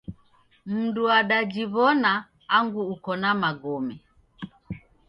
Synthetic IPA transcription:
m̩nduaɗad͡ʒiβɔnaː | ŋɡuːkɔnamaɡɔmɛ

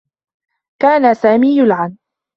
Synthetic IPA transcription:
kaːnasaːmiːjʊlʕan

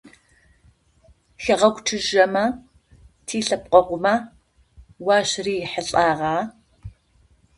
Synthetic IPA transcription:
xɐʁɐkʷʼʈ͡ʂʰɨʒɐmɐ | tʰiːɬɐp̚qʷʼɔqʷʊmɐ | wɑːɕriːħəɬʼaːʁɑː

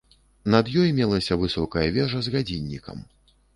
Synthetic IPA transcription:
nɐd̪jɔjmʲɛlˠɐsʲɐvɨsɔkɐjɐvʲɛʐɐzɣad͡zʲinʲːikʰɐ̰m

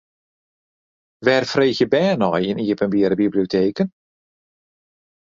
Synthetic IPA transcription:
ʋɛːrfrejxjəbɛːnɔjɪniːəpənbiːɾəbiblioteːkən

